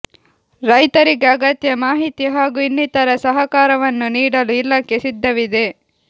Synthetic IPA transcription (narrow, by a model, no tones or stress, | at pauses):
ɾɐjt̪ɐɾiɡeɐɡɐt̪jɐmaːɦit̪ijɐɦaːɡuinːit̪ɐɾɐsɐɦɐkaːɾɐʋɐnːuniːɽɐluilːɐkːesid̪ʱːɐʋid̪e̞